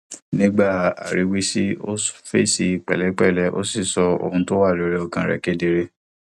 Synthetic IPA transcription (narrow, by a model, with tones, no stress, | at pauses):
nĩ˦ɡ͡ba˦˨a̰˨ɾi˨˦wi˦si˦o˦sfe˦˨si˧˨k͡pɛ̰˨lɛ˨˦k͡pɛ˦˨lɛ˨˦ʔo̰˦si˦˨sɔ˧o̰˧hũ˧to˦wa˦˨ɾi˨˦ɾe˦ɔ˧kã˧ɾɛ̰˨ke˦de˧ɾe˧